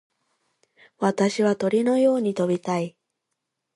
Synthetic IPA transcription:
βat̪aɕiβ̞at̪o̞ɾʲino̞jo̞ːɲ̟it̪o̞bʲit̪ai

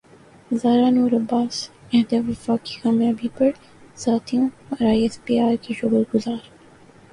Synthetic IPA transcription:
zaːɾaːnuːɾɐbːaːs | ɛɦd̪eʋɐfaːki̥xamẽɐbʱipɐɾ | z̥aːt̪ʰiõɔɾaːjɛspiːaːɾkeʃʊɡəlɡʊzaːɾ

